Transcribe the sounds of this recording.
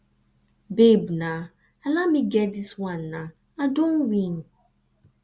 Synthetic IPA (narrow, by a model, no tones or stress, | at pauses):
bebnã | alamiɡɛdiswãnːa | adõnwĩn